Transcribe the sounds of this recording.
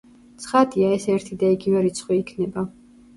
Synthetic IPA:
t̪sʰχad̪iaɛsɛɾt̪ʰid̪aiɡivɛɾit̪sʰχwiːkʰnɛba

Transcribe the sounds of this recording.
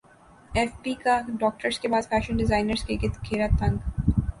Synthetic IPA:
ɛːfpiːkaɖɔːk̚ʈəɾskebaːd̪fʰæːʃənɖɪzaːɪnəɾzkekɪt̪kʰeːɾat̪ɐ̃ŋɡ

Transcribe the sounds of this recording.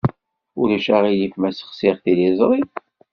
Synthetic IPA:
ʊɾæʃaʁilifmæsə̥χsɪʁθilizˤɾˤi

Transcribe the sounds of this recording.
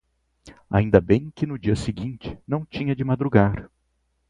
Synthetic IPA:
a̰ĩnd̪ɐbẽj̃kɪnʊd͡ʒiɐsɪɡĩnt͡ʃɪ̥nɐ̃w̃t͡ʃĩɲɐd͡ʒɪmad̪ɾuɡaɾ

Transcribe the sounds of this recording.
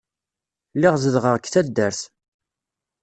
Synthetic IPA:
lɪʁzəðʁəʁkθæd̪ːæɾθ

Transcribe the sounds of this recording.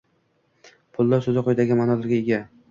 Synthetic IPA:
pʰʊlˠd̪aɾsɵzɪqʰojd̪aɡʲɪmanɒlɪɾɡʲaeɡʲa

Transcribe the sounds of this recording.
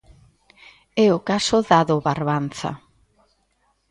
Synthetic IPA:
ɛʊkasʊðaðoβaɾβanθa̰

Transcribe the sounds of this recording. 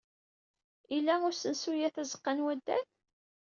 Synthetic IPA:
ilːæʊɾsənsujæθæzə̥qːɑnwæd̪ːæ̰θ

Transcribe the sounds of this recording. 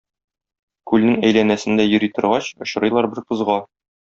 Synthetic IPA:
kʉlnɘŋæjlænæsɘ̆nd̪æjɵ̆ɾijt̪ɤ̆ɾʁɑɕŏɕɤ̆ɾɤ̆jlˠɑɾbɘɾqɤ̆zʁɑ

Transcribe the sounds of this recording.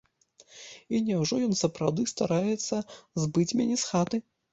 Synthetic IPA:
inʲɛwʐɔjɔnsɐpɾawd̪ɨst̪aɾajɛt̪sːɐzbɨt͡sʲmʲanʲɛsxat̪ɨ

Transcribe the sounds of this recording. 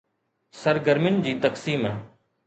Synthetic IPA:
sɐɾɡəɾmɪnd͡ʑiːt̪ɐksiːmɦɛː

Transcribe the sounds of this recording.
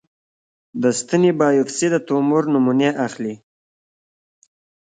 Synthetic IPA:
d̪əst̪ənibɑjʊfsid̪ət̪umʊɾnʊmuneʔaxli

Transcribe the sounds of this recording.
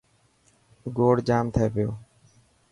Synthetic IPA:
ɡoːɽd͡ʒaːmt̪ʰəeːpɪjoː

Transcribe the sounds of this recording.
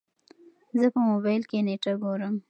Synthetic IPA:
zəpəmobajlkeneʈaɡoɾəm

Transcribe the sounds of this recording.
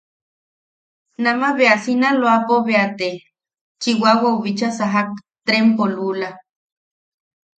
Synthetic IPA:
namaβeasinaloapoβeat̪e | t͡ʃiwawauβit͡ʃasaɦak̚t̪ɾempolula

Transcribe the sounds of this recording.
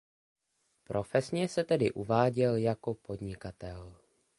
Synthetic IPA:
pɾʔo̞fɛsɲɛsɛt̪ɛdɪ̰ʔuvaːɟɛljako̞po̞dɲɪkat̪ɛl

